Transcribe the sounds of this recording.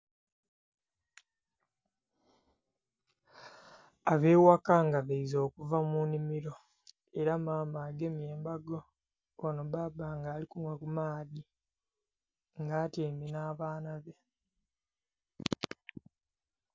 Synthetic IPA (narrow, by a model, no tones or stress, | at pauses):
aβe̞ːwakaŋɡaβeizo̞ːkuvamunimiɾo̞ | e̞ɾamaːmaːɡemjeːmbaɡo̞ | βano̞βabaːŋɡaːlikumwakumaːdi | ŋɡaːteːminaːβaːnaβe̞